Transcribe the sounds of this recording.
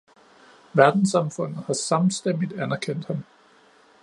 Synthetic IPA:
ʋæɐd̥n̩sɑ̈mfɔ̽n̰ð̩ˠhɑ̈sɑ̈mn̩sd̥en̰did̥ænɐkʰen̰d̥hɑm

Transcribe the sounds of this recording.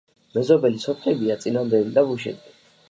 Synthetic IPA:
mɛzɔbɛlisɔpʰχɛbiat̪sʼinamd̪ɛlid̪abuʃɛ̰d̪i

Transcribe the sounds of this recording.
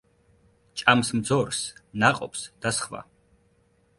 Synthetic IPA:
t͡ʃʼamsmd̪zɔɾsnaqʼɔ̰psd̪̥asχva̰

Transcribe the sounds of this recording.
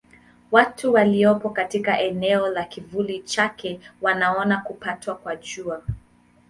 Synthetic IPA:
watuwaliɔpɔkatikaʔɛnɛɔlakivulit͡ʃakɛwanaɔnakupatwakwaʄua

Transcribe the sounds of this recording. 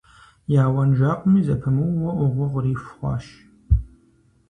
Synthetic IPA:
jaːwɐnʒaːqʷʼʊmiːzɐpʰɐmɨwːɐʔʷʊʁʷɔʁʷɾiːfχʷɑ̰ːʃ

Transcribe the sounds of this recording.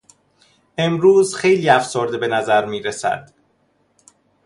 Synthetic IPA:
ʔe̞mɾuːzxe̞jliːæfsoːɾd̪ebe̞næzæɾmiːɾesæ̰d̪̥

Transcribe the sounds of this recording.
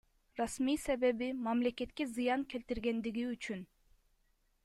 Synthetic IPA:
ɾɑsmijse̞βe̞bimɑmlʲekʲe̞t̪kʲezɯjɑŋkʰʲe̞lʲt̪iɾɡe̞nd̪iɡiyt͡ʃyn

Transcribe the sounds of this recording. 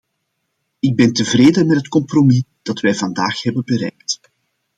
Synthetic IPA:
ɪɡ̚bɛntəvreːdənmɛtɦətkɔmpromid̥ɑtʋɛːjvɑnda̰ːxhɛbənbəɾɛ̰jk̚t

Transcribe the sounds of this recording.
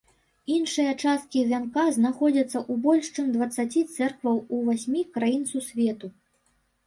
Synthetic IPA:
inʂɨjɐt͡ʂast̪̚kʲivʲankaznaxɔd͡zʲɐt̪sːɐʔubɔlʲʂt͡ʂɨmd̪vɐt̪sːat͡sʲit̪sɛrkvɐwuvasʲmʲikɾajint̪sɐwsʲvʲɛt̪u

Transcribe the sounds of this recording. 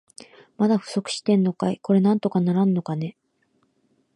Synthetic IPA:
mad̪aɸɯ̟̥so̞kɯ̟̥ɕi̥t̪ẽ̞nːo̞kaiko̞ɾe̞nãnt̪o̞kanaɾanːo̞kane̞

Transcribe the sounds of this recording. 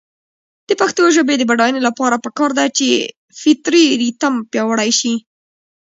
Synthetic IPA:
d̪̥əpaxt̪əjoʒəbed̪əbaɽɑjnelapɑɾapəkɑɾd̪at͡ʃe | fɪt̪ɾiɾit̪ampjɑwəɽajʃi

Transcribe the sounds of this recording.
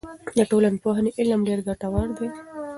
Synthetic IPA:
d̪əʈolanpoɦaneʔɪlmɖeɾɡaʈawɑɳd̪e

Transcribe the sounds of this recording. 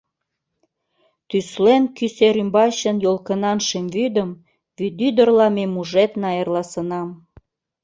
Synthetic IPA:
t̪yslenkyseɾymbɑɕənjolkənɑnʃemvyd̪əm | βyd̪yd̪ərlɑmemuʒet̪nɑjərlɑsənɑm

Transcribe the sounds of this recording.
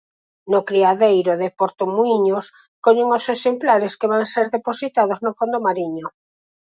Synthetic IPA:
nʊkɾiaðejɾoðepoɾt̪omuiɲos | koʎeŋosesemplaɾeskeβaŋseɾðeposit̪aðoznofond̪omaɾiɲʊ

